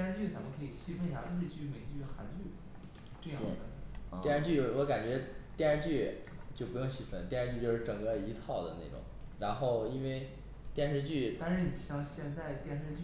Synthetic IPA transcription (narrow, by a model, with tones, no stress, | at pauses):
nʂɻ̩˥t͡ɕy˥˩t͡sa˧˥mə˧nkʰɤ˧˥i˨˩ɕi˥fə˧i˧˩ja̰˧˩o˥˧˥ʂɻ̩˧t͡ɕy˥˩˧me˧˥ɪt͡ɕy˥˩˥xa˧˥nt͡ɕy˥˩ | ʈ͡ʂɤ˥˧jɑ˥e˩˥˩ə˧˩jɛ˥˧ʂɻə˥nt͡ɕy˥˩wɔ˧˥ka˨˩nt͡ɕɥɛ˧˥t̪jɛ˥˧nʂə˥nt͡ɕy˥˩ | t͡ɕjo˥˧ʊpu˧˥joʊ˥˧ŋɕi˥˩fə˥˩nt̪jɛ˥˧ʂɻ̩˧˥t͡ɕy˥˧t͡ɕjo˥˧ʊʂɻ̩˥˧˩ʈ͡ʂɤ˨˩ŋkə˧i˧˥t̪ʰɑ˥˩ʊd̪ə˩nḛ˥˩ɪʈ͡ʂʊ̰˨˩˦ŋɻa˧˥nxo˥˧ʊi˥nwe˥˧ɪ | t̪jɛ˥˧nʂɻ̩˥˧t͡ɕy˥˩t̪ɑ˥˧ʂɻ̩˥˩ni˨˩ɕjɑ˥˧ŋɕjɛ˥˧nt͡sa˥˧ɪt̪jɛ˥˧nʂɻ̩˧t͡ɕy˥˩